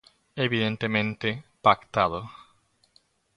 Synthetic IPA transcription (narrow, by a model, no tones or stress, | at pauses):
eβiðent̪emẽnt̪epakt̪aðo